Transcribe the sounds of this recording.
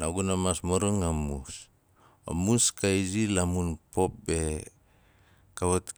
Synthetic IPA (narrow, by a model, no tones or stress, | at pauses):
naɡunamasmoɾoŋamus | a̰muskaizilamunpop̚be | kaβat̪